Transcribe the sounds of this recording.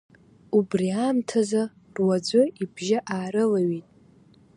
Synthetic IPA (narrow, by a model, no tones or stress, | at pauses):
ubriaːmtʰaza | rwad͡zʷʊibʒaʔaːɾɨlaɥitʼ